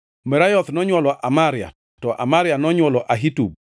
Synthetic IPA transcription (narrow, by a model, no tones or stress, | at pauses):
mɛɾajɔt̪nɔɲwɔlɔʔamaɾja̰ | tɔʔa̰maɾjanɔɲwɔlɔʔaɦitṵb